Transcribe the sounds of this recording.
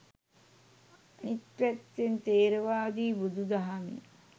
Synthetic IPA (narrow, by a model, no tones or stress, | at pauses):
anit̪pæt̪ːent̪eːɾəʋaːd̪iːbud̪ud̪aɦanḭ